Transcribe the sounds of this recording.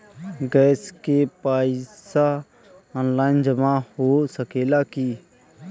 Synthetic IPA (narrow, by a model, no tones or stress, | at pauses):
ɡɛːskepaːɪsa | ɔːnlaːɪnd͡ʒəmahoːsəkeːlaki